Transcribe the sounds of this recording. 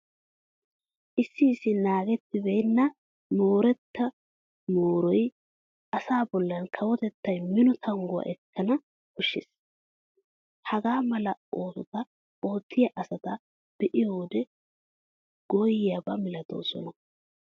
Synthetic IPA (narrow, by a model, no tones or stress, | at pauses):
ʔɪsːɪːsːɪnaːɡɛt̪ːɪbeːnːɐ | mo̞ːɾɛt̪ːɐ | moːɾɔj | ʔɐsaːbɔlːɐnkʰɐwɔt̪ɛt̪ːɐjmɪnɔt̪ʰɐŋɡʊɐ̰ʔɛkːɐnɐ | kʊʃːɪ̰s | hɐɡaːmɐlɐoːsɔt̪ɐ | oːt̪ːɪjɐʔɐsɐt̪ɐ | b̥ɛʔɪjo̞ːd̪ɛ | ɡ̥ɔjɪjabɐmɪlɐt̪o̞̰ːsɔ̰nɐ